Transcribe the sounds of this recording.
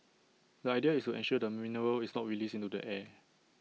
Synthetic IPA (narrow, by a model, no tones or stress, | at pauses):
dəajdiəistuʔɛ̰̃nʃuədəminəɹəlisnɔt̚ɹilisĩntudə̰ʔɛ